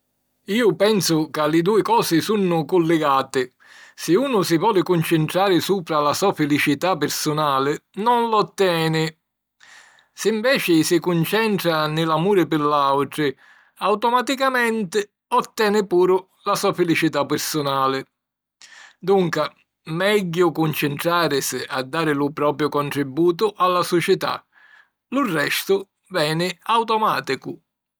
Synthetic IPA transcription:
iːʊpɛnsʊkalːɪd̪uːɪkɔːsɪsunːʊkʊlːɪɡaːt̪ɪ | sɪuːnʊsɪvɔːlɪkʊnt͡ʃɪnt̪ɾaːɾɪsuːpɾalasɔafɪlit͡ʃit̪apːɪɾsʊnaːlɪnɔnlɔt̪ːɛːnɪ | sɪːɱvɛːt͡ʃɪsɪkʊnt͡ʃɛnt̪ɾanɪlamuːɾɪpɪlawʈɾɪ | awt̪ɔmat̪ikamɛnt̪ɪ | ɔt̪ːɛːnɪpuːɾʊ | lasuːafɪlit͡ʃit̪apːɪɾsʊnaːlɪ | d̪uŋka | mɛɟːʊkunt͡ʃɪnt̪ɾaːɾɪsɪa̰d̪ːaːɾɪlʊpɾɔːpɾjʊkɔnʈ̪ɾɪbːuːt̪̬ʊʔalːasɔt͡ʃɛt̪a̰ | lʊrːɛst̪ʊ | vɛːnɪawt̪ɔmaːt̪ikʊ

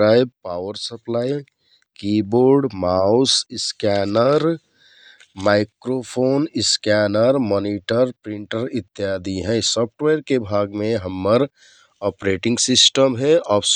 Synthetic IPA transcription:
ɾajb̚paːʋəɾsəplaj | kiboɾɖmausskɛnəɾ | maɪkɾopʰonɪskɛnəɾmɔːniʈəɾpɾiɳʈəɾit̪ːjad̪ʱiɦɛsɔpʰʈʋeɾkebʱaɡmeɦəmːəɾ | ɔpɾeʈĩŋɡsisʈəmɦɛɔːbs

